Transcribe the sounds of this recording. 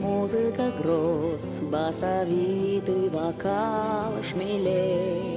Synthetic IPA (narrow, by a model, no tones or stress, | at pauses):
mozəkaɡɾos | baːsaʋit̪ujʋakaʋɐʂmile